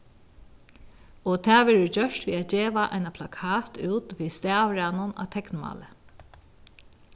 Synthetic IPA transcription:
ɔt̪ʰæːʋɛːɹəd͡ʑœʂt̪ʋiːat̪̚d͡ʑeːʋaʔa̰ɪnapʰlakʰaːt̪uːt̪ʋiːst̪æːwɹɪanʊna̰ːt̪ʰɛknma̰ːlə

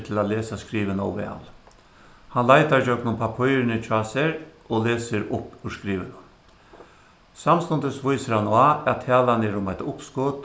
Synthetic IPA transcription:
t̪ʰɪlat̪leːsaskɾiːʋənɔ̰wʋɛ̰ːl | hanlajt̪aɾd͡ʒœknʊmpʰapʰɔjɾɪnɪt͡ʃʰaːseɾ | oleːsɪɾʊpːʉskɾiːʋənʊm | samst̪ʊnt̪əsʋʊjsəɾhanɔaæt̪ʰːɛːlanɛɾʊmaɪt̪ʊpskʊt̪

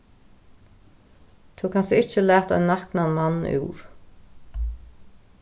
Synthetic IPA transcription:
t̪ʰukʰansəɪht͡ʃəlæːt̪ɔ̰ʏnahknanmanːṵːɾ̥

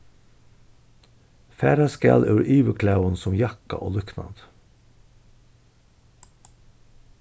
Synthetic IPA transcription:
fæːɾɑskæ̰lʔʉ̰ːɾʔiːʋəkʰlɑʉənsɔmjɑkɑ̰ʔo̰ːlʉknɑ̰d̪

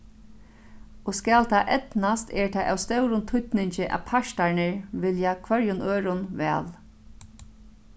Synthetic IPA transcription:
ɔskaːlt̪ʰaːʔɛt̪nast̪ɛːɹt̪ʰaːʔa̰wst̪œwɾʊnt̪ʰʊt̪nɪɲt͡ʃɪʔa̰pʰaʃt̪aɹnɪɹʋɪljakʰʋœɹjʊnøːɾʊnʋɛ̰ːl

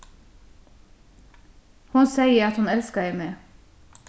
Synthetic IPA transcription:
hʊnseɪəɾɑt̪hʊnɛlskɑeɪmeː

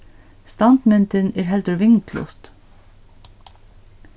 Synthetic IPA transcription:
st̪ɑnt̪mɪnt̪ɪnɛːɹɦɛlt̪əɾʋɪŋklʊ̰ht̪

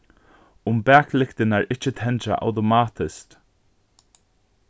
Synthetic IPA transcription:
ʊmbaːkʰlɪkt̪ɪnaɹʔɪt͡ʃət̪ʰɛnta̰ʔa̰wt̪ɔmaːt̪ʰɪsk

